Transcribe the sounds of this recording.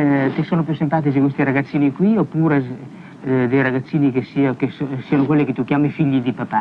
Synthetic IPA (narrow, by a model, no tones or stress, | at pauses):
t̪esoːnop̬jusempaːt̪̬isikwest̪iɾaɡat̪sːiːnikwiopːuːɾe | d̪ejɾaɡat̪sːiːnikesikessianʊkwelːiket̪ukjaːmifiʎːid̪ipapa